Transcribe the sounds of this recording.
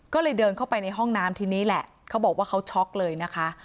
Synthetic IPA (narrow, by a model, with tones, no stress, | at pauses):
kɔː˥˩lɤː˧jdɤː˧nkʰa˥˩wpa˧jna˧jɦɔ˥˩ŋnaː˦˥mt̪ʰiː˧niː˦˥lɛ˨˩ʔ | kʰa˦˥wbɔː˨˩k̚waː˥˩kʰa˦˥wt͡ɕʰɔ˦˥k̚lɤː˧jna˦˥kʰa˦˥ʔ